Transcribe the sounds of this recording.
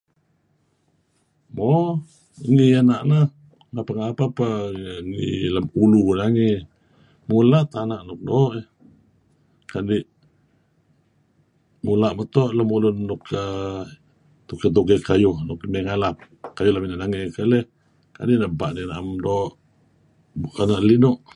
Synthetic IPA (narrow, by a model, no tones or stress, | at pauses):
mo | ŋianaʔnə | ŋapaŋapapəŋḭləmulunaŋi | mulat̪anaʔnuk̚doʔi | kaniʔ | mulaʔmət̪oʔləmulunːukə | t̪ukət̪̬uɡekajuhnukimeŋalap̚ | kajulaminaʔnaŋekəleh | ka̰diʔnəbaʔninaʔamdoʔ | ʔanaʔlinuʔ